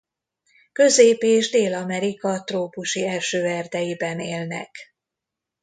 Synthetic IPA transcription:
kø̞zeːpeːʒd̪eːlɒmɛɾikɒt̪roːpuʃiɛlʃøːɛrd̪ɛjibɛneːlnɛ̰k

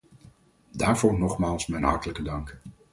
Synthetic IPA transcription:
daːɹv̥ʊːɹnɔχmaːlˠsmɛjnɦɑ̰ɹtələkədɑŋk

